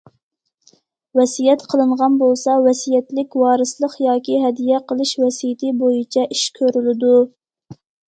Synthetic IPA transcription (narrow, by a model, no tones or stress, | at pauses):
wɛsijɛt̪qʰəlˠɨɴʁɑnbolˠsɑwɛsijɛt̪lɪkʲwɑːɾɨslˠəqjɑːkʲiɦɛd̪ijɛqəlˠɨʃwɛsijɪt̪ʰɪbojit͡ʃʰɛʔiʃkʲʰøɾylɪd̪u